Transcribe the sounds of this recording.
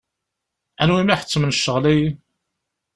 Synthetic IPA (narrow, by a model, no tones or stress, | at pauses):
ænwimiħə̥t͡sːmənʃːəʁlij